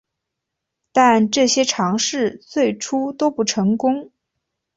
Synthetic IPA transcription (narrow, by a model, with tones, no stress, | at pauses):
t̪a˥˧nʈ͡ʂɤ˥˩ɕjɛ˥ʈ͡ʂʰɑ˧˥ŋʂɻ̩˥˧t͡swe˥˩ɪʈ͡ʂʰu˥t̪o˥ʊpu˥˩ʈ͡ʂʰɤ˧˥ŋkʊ˥ŋ